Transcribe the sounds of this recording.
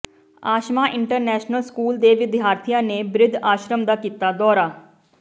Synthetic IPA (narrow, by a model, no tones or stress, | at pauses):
aːʃmãːʔɪɳʈəɾnɛːʃnəlskuːld̪eːʋɪd̪ɪjaːɾt̪ʰijãːneːbɾɪd̪ʱaːʃɾəmd̪aːkiːt̪aːd̪ɔːɾaː